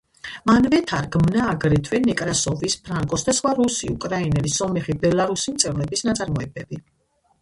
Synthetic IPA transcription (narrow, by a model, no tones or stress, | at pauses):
manvɛt̪ʰaɾɡmnaːɡɾɛt̪ʰwɛnɛkʼɾasɔvispʰɾaŋkʼɔsd̪asχwaɾusiukʼɾainɛlisɔmɛχibɛlˠaɾusimt̪sʼɛvlɛbisnat̪sʼaɾmɔɛbɛbi